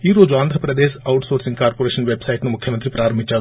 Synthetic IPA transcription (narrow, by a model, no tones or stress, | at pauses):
iːɾoːd͡ʒʋaːnd̪ʱɐpɾɐd̪eːʃɐwʈsoːɾsĩŋɡkaːɾpoːɾeːʃɐnʋeːbsaiʈnumʊkʰjɐmɐnt̪ɾipɾaːɾɐmbʱit͡ʃa